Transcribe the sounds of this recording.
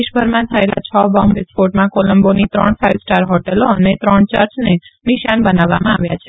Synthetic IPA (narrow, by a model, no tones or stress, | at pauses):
iʃbʱəɾmãt̪ʰəela̰t͡ʃʰəbɔmbɪspoʈmãkoləmbonit̪ɾəɳfaiʋsʈaɾɦɔʈeloənet̪ɾəɳt͡ʃəɾt͡ʃneniʃanbənaʋːa̰mãaʋja̰t͡ʃʰe